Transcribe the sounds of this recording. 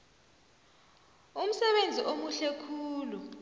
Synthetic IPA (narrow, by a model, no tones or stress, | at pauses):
um̩sɛɓend͡zʱiʔomuɬɛkʰuːlu